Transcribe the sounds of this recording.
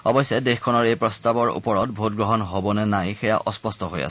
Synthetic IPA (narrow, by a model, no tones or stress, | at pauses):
ɔbɔjsɛdexkʰɔnɔɹejpɹɔstabɔɹṵpɔɹɔt̚bʱot̚ɡɹɔɦɔnɦobɔnɛnajxɛja̰ʔɔspɔstɔɦoja̰s